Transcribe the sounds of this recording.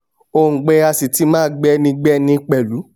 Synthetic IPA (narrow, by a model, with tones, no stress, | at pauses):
o˧ŋ̩˨ɡ͡bɛ˧˦a˧si˨ti˨˦mãː˦˨˦ɡ͡bɛ˦nĩ˧ɡ͡bɛ˦nĩ˧k͡pɛ˨lu˨˦